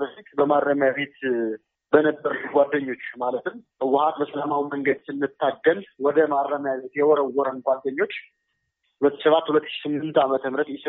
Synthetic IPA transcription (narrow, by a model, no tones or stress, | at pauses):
bəfik̪ʼbəmaɾːəmjaβe̞t̪ | bənəbːəɾluɡʷad̪ːəɲːo̞t͡ʃːmalət̪ɨm | ɨwːʊhat̪bəsəlamawiməŋɡəd̪sɨnːɨt̪ʰːaɡːəlwɔd̪əmaɾːəmjaβe̞t̪jɛwɔɾəwɔɾənɡʷad̪ːəɲːo̞t͡ʃː | hulət̪ːɨ̥səβat̪ːhulət̪ːɨ̥ʃsɨmːɨnt̪amət̪ʰəmɾət̪jɛs